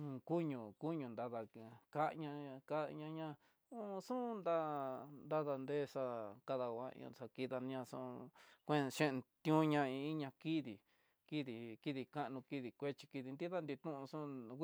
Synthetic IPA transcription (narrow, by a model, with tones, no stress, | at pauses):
ũ˧ku˦ɲũ˨ku˦ɲũ˧nd̪a˧ða˧ka˦ʔɲã˧ka˦˧ɲã˧ɲã˦˧ | u˦˧sũ˦˧nd̪a˦˧nd̪a˦ða˧nd̪e˦ʂa˧ka˧ða˧wʷa˦ḭ̃˧sa˧ki˧ða˧ñ˧ɲã˧sṵ̃˧kʷẽ˦˧ʃẽ˦˧t̪jũ˦ɲã˧ĩ˧i˦ɲã˧ki˦ði˨ | ki˦ði˨ki˦˧ði˧ka˦ʔnũ˧ki˧ði˧kʷe˦t͡ʃi̥˧ki˧ði˧nd̪i˦ða˦˧nd̪i˧t̪ũ˦ʔũ˧sũ˦˧˦